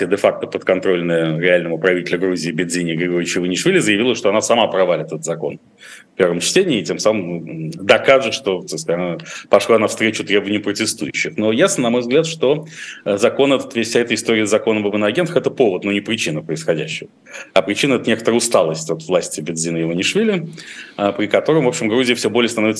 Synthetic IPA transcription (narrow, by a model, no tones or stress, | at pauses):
sʲed̪ɛfak̚t̪əpət̪kɐnt̪ɾo̞lʲnəjəɾʲɪalʲnəvəpɾɐvʲitʲɪlʲʊɡɾuzʲɪːbʲɪnzʲinʲɪːɡɾʲɪɡoɾʲɪt͡ɕɪvənʲɪʂvʲilʲɪzəjɪvʲilˠəʂt̪oɐnasɐmapɾɐvalʲɪt̪ət̪ət̪zɐko̞̰n | fpʲe̞rvəmt͡ɕtʲenʲɪːtʲemsaməmud̪ɐkaʐɨt̪ʂt̪o̞t̪asknpɐʂlˠanafst̪ɾʲet͡ɕʊt̪ɾʲe̞bəvənʲɪjʊpɾətʲɪst̪ujʉɕːɪxno̞jasnənɐmo̞jvzɡlʲæt̪ʂt̪o̞əzɐko̞nɛt̪ə̥t̪vʲesʲfsʲaɛt̪əɪst̪o̞ɾʲɪjəzɐko̞nəbəbɨnəɐɡʲent̪ə̥ɛt̪əpo̞vət̪nunʲɪpɾʲɪt͡ɕinəpɾəɪsxɐdʲæ̰ɕːɪvə | ɐpɾʲɪt͡ɕinəɛt̪ənʲe̞kət̪əɾəʊst̪alˠəsʲtʲot̪vlˠasʲtʲɪbʲɪnzʲinəɪvənʲɪʂvʲilʲɪəpɾʲɪkɐt̪o̞ɾəmvo̞pɕɪmɡɾuzʲɪəfsʲobo̞lʲɪəst̪ɐnovɪt̪s